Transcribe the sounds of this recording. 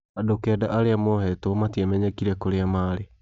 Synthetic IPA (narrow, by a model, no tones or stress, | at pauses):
adokɛdaʔaɾeamɔhɛtomatiɛmɛɲɛkiɾɛkoɾeamaːɾe